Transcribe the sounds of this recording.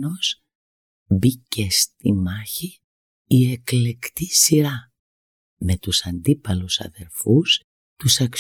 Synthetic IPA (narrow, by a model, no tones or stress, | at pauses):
os | bice̞st̪imɐçiː | e̞kle̞kt̪isiɾɐ | me̞t̪usɐnd̪ipɐlusɐ̰ðe̞ɾfus | t̪usɐks